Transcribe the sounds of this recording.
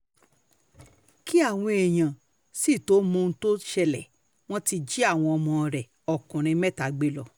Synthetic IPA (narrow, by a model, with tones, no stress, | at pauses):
ki˦a˦˨w̃ɔ̃˧e˨j̃ã˨ | si˦˨to˨˦mõ˧n̩˧˦to˦ʃɛ˧lɛ˨ | w̃ɔ̃˦ti˧d͡ʒi˦a˦˨w̃ɔ̃˧ɔ˧mɔ̃˧˨ɾɛ˨ | ɔ˨kũ˨ɾ̃ĩ˧mɛ˦ta˨˦ɡ͡be˦lɔ˨